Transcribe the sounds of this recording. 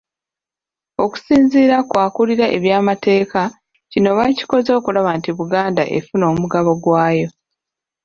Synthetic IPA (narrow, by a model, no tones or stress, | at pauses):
o̞ku̥siːnziːɾakwaːkuliɾaʔe̞βjaːmate̞ːka | cino̞βaci̥ko̞zo̞ːkulaβantiβuɡaːnda̰ʔḛfuno̞ːmuɡaβo̞ɡwaːjo̞